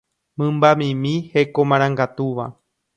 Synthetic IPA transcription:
mɨ̃mbamĩmĩhe̞komãɾ̃ãŋɡat̪uʋa̰

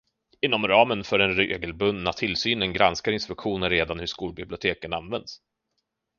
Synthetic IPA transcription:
ɪnːɔmɾɑːmənfœɖɛnɾeeɡəlbɵnnat̪ʰɪlsyːnənɡɾanskaɾɪnspɵkɧuːnəɾːeːd̪anhɵʂkuːlbɪblɪʊt̪ʰeːkənanvɛnd̪s

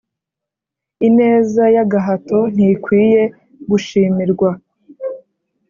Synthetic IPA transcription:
ine̞ːzajaɡaɦato̞n̥ikwiːje̞ | ɡuʃiːmiɾɡwa

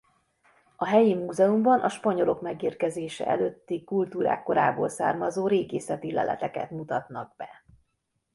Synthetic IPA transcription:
ɒɦɛjimuːzɛumbɒnʔɒʃpɒɲo̞lo̞kmɛɡeːrkɛzeːʃɛ̰ʔɛløt̪ːikult̪uːɾa̰ːkːo̞ɾa̰ːboːlsa̰ːrmɒzoːɾeːɡeːsɛt̪ilɛ̰lʔɛ̰t̪ɛkɛ̰t̪mut̪ɒt̪nɒɡ̚bɛ

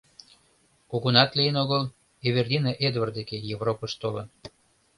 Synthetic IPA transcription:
kuɣunɑt̪lijənoɣəl | eβerd̪ʲinɑʔed̪vərd̪ekejevropəʃt̪olən

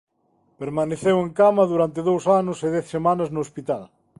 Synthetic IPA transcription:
peɾmaneθeweŋkamɐðuɾant̪ɪðowsanʊseðɛθsemãnɐznʊːspit̪al

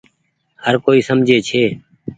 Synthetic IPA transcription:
həɾkoːiːsəmd͡ʒʱeːt͡ʃʰeː

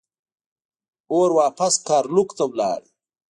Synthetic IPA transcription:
oːɾwaːpaskaːɾlukt̪awla̰ːɽi

